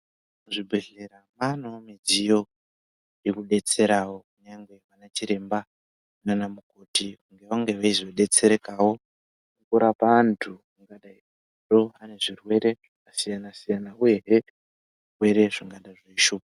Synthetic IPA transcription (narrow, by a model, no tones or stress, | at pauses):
muʐibʱeɮeɾamanoamid͡zijo̞ | jekuɗe̞t͡se̞ɾawo̞kuɲaŋɡwe̞ʋanat͡ʃiɾe̞mba | nanamukotikuŋɡe̞ʋaŋɡe̞ʋaizo̞ɗe̞t͡se̞ɾekawo̞ | ukuɾapantʰumuŋɡaɗai | do̞ɦane̞ʐirwe̞ɾe̞ʐkasijanasijanaue̞ɦe | ʐirwe̞ɾe̞ʐiŋɡaɗaʐaeiʃuːpa